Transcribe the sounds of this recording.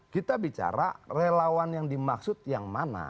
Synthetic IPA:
kit̪abit͡ʃa̰ɾa̰relawanjaŋdimaksʊt̪̚jaŋmana̰

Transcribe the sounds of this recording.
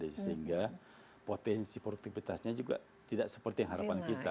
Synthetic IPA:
disəɦiŋɡa | pot̪ɛnsipɾoduk̚t̪ifit̪asɲad͡ʒuɡa̰ | t̪idaʔksə̥pərt̪ijaŋɦaɾapankit̪a

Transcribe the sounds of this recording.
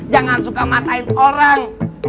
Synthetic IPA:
d͡ʒaŋansukamat̪aɪnoɾaŋ

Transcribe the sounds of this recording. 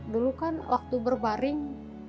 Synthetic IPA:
dulukanwʔa̰k̚t̪ubərbaɾɪŋ

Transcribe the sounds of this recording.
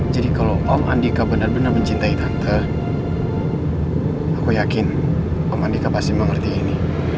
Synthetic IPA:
d͡ʒadikalowʔɔma̰ndikabənərbənərməɲt͡ʃint̪ait̪aŋt̪ə | akujakɪn | ɔmandikapasiməŋərt̪iːni

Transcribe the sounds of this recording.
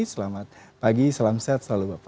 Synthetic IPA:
səlamat̪̚paɡisəlamsɛt̪̚səlalubap

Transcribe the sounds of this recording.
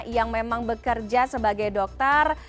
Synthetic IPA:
jaŋmemaŋbəkərd͡ʒasəbaɡajdɔk̚t̪ɔr

